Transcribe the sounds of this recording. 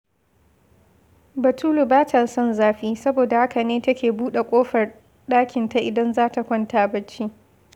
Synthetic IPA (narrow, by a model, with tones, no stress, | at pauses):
bɐ˨tuː˦lu˨baː˦tɐ˨sɔ˦nzaː˦ɸiː˦sɐ˦boː˨da˨ha˦ka˨neː˦tɐ˦kʲeː˨buː˦ɗe˨kʷʼoː˦ɸɐ˨r | ɗaː˦kʲɪ˨nta˨ʔɪ˨dɐ˦nzaː˦ta˨kʷɔ˦ntaː˨bɐ˦t͡ʃːiː˦